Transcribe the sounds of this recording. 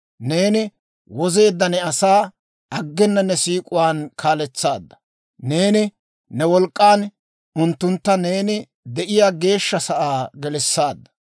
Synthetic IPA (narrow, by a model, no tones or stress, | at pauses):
ne̞ːnɪ | wɔze̞ːd̪ːɐnɛɐsaː | ɐɡːɛnːɐnɛsiːkʼʊwaːnkʰaːlɛt͡sːaːd̪ːɐ̥ | ne̞ːnɪ | nɛwɔlkʼːaːn | ʊnt̪ːʊnt̪ːɐne̞ːnɪ | d̪ɛʔɪjaːɡe̞ːʃːɐsɐʔaːɡɛlɛsːaːd̪ːɐ̥